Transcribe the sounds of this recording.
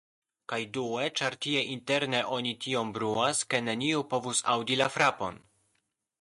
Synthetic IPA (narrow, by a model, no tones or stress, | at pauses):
kajdue̞t͡ʃaɾtie̞ʔinte̞ɾne̞ʔo̞nitio̞mbɾuaske̞ne̞niupo̞vusawdilafɾapo̞̰n